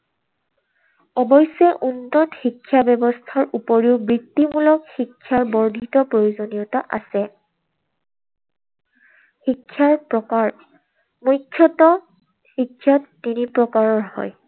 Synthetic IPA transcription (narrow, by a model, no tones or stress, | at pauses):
ɔbɔjsɛʔuntɔtxikʰːjabɛbɔstʰaɹʔupɔɹiʊbɹitːimulɔkxikʰːjaɹbɔɹdʱitɔpɹojozonijɔtaʔa̰sɛ | xikʰːjaɹpɹɔkaɹ | mujkʰːjɔtɔ | xikʰːjatːinipɹɔkaɹɔɹhɔ̰j